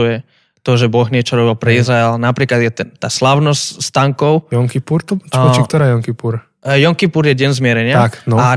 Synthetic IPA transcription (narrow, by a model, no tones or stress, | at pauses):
ujɛ | t̪ɔʒɛbɔɣɲɪɛt͡ʃɔɾɔbilˠpɾɛizɾaɛlnapɾiːklad̪jɛt̪ɛnt̪aːslaʊnɔscst̪aŋkɔʊjɔŋkipuɾt̪ɔikt̪ɔɾaːjɔŋkipuɾ | jɔŋkipuɾjɛɟɛnzmɪɛɾɛɲɪaaknɔa